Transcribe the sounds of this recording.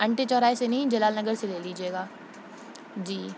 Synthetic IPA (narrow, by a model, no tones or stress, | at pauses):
ɐ̃ɳʈet͡ʃɔːɾaːesenɐɦĩd͡ʒɐlaːlnɐɡəɾseleːliːd͡ʒeːɡaː | d͡ʒiː